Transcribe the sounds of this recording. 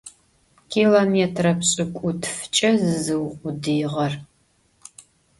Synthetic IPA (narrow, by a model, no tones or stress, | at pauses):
kʰiːlometʰrɐpɕʼɪkʷʼʊtʰft͡ʃʼɐzɨzɨwqʷʼʊdɨjʁɐr